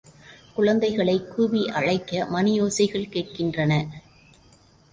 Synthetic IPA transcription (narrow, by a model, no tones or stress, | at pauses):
kʊɻɐnd̪ɐɪɣɐɭɐɪkːuːʋiʔɐɻɐɪkːɐmɐnɪjoːsɐɪɣɐɭkeːʈ̚kɪndrɐnɐ